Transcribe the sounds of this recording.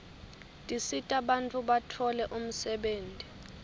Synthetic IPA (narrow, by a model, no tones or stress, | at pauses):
tʼisitʼaɓant͡fʼuɓatʰɔlɛʔum̩sɛɓeːntʼi